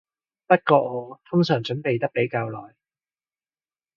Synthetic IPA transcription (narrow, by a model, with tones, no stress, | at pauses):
pɐ˥t̚kɔː˧ŋɔː˨˧t̪ʰʊ˥ŋsœː˨˩ŋt͡ʃɵ˨˥npe˨jt̪ɐ˥k̚pe˨˥jkaː˧wlɔː˨j